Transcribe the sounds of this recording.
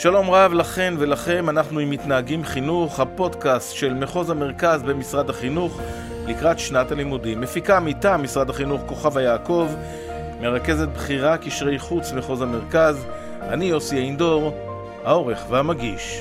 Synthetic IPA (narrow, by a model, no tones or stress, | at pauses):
ʃalo̞mʁavlaχe̞nve̞laχe̞nanaχnuimːit̪naɦaɡimχinuχhapo̞dkastʃe̞lme̞χo̞zame̞ʁkazbe̞misʁad̪haχinuχ | likʁat̪ʃnatalimudimːe̞fikamitamːisʁadaχinuχko̞χavajaːko̞v | me̞ʁake̞ze̞t̪̚bχiʁakiʃʁe̞jχut͡smeχo̞zame̞ʁkaz | anijo̞siaind̪o̞ʁ | hao̞ʁe̞χveamaɡiʃ